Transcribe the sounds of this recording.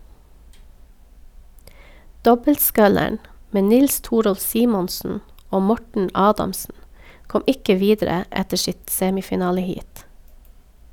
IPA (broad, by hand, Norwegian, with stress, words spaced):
ˈdɔbəltˌskœləɳ ˈmeː ˈnɪls ˈtuːɾɔlf ˈsiːmɔnsn̩ ˈoː ˈmɔʈɳ̩ ˈɑːdɑmsn̩ ˈkɔm ˈɪkə ˈʋiːdɾə ˈɛtə ˈsɪt ˈseːmɪfɪˌnɑːləˌhiːt